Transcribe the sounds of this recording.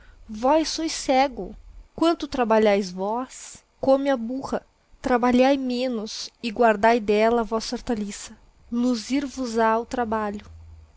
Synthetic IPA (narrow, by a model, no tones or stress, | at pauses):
vɔjsːojsɛɡʊkwɐ̃nt̪ʊt̪ɾabaʎajzvɔs | kõmɪabuhɐ | t̪ɾabaʎajmẽnʊsɪɡwaɾd̪ajd̪ɛlɐvɔsɐoɾt̪alisɐ | luziɾvʊzaʊt̪ɾabaʎʊ